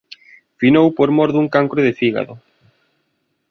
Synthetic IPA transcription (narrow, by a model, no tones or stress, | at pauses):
finowpoɾmɔɾðuŋkaŋkɾoðefiɣa̰ðo